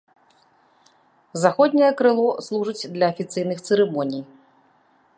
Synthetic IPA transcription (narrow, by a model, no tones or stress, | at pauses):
zaxɔd̪ʲnʲɐjɐkɾɨlˠɔslˠuʐɨt͡sʲd̪lʲɐːfʲit̪sɨjnɨxt̪sɨɾɛmɔnʲij